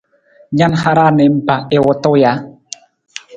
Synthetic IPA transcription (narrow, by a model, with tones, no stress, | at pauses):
ɲa˦nha˧ɾa˦˨nɛ˨m̩˦pa˨ʔe˨wɔ˦t̪o˦ja˨˦